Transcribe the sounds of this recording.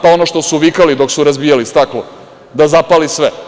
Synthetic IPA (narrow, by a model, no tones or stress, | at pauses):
pao̞noʃt̪o̞suʋikalid̪o̞ksuɾazbijalist̪aklo | d̪azapalisʋe